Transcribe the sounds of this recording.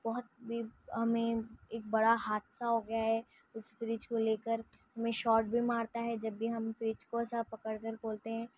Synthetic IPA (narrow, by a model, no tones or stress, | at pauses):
bɔɦʊt̪̚bʱiɦɐmẽeːk̚bɐɽaɦaːt̪saɦoɡɐjaɦɛ | ʊsfɾiːt͡ʃkoleːkəɾhɐmẽʃɔːʈ̚bʱimaːɾt̪aɦɛd͡ʒɐbːiɦɐmfɾiːt͡ʃkoɛsapɐkəɽkəɾkoːlt̪eɦɛ̃ː